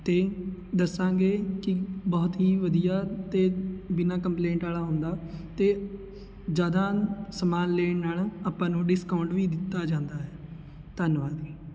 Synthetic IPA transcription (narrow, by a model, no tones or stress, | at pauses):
t̪eːd̪əsãːɡeːkɪbɔːt̪ɦiːʋəd̪ijaːt̪eːbɪnãːkəmplẽːɳʈaːlaːɦõːnd̪aːt̪eː | d͡ʒjaːd̪ãːsəmaːnleːnaːlaːpãːnũːɖɪskaːʊɳʈʋiːd̪ɪt̪ːaːd͡ʒãːnd̪aːɦɛː | t̪ənʋaːd̪iː